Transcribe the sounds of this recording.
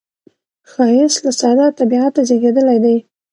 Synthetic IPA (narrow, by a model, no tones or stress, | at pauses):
xɑjɪslasɑd̪at̪abiat̪azeɡed̪əlajd̪aj